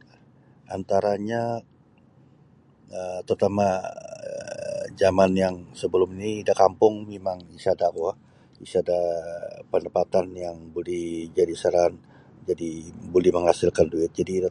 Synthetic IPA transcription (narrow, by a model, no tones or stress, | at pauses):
ʔa̰nt̪aɾaɲa | ət̪ərt̪ama | d͡ʒamanjaŋsəbəlʊminiːdakampʊŋmemaŋisadakwa | isadapəndəpat̪anjaŋbolɛhd͡ʒadisəɾan | d͡ʒadibolɛhməŋhasɪlkanduɪt̪̚d͡ʒadiːda